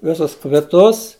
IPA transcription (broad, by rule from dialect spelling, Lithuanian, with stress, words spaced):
ˈʋʲɪsʊs kʋʲɪˈtʊs